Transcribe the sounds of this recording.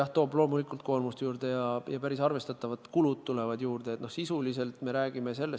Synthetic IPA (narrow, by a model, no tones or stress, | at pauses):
jɑht̪o̞ːblo̞ːmulikˑult̪̚ko̞ːlmust̪ejuːrd̪̥e̞jɑjɑpæɾisɑrve̞st̪ɑt̪ːˑɑvɑt̪kulud̪̚t̪ːule̞vɑd̪juːrd̪e̞t̪no̞hsisulise̞lt̪me̞ɾæːɡ̥imese̞lːe